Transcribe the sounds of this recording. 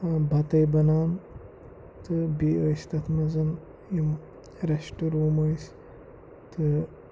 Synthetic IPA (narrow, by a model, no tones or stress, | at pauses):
bɐt̪ɐjbɐnaːn | t̪ʰɨbiəjst̪ɐt̪ʰmɐzɐn | jim | ɾɐʃʈuɾuːmɐjs | t̪ʰɨ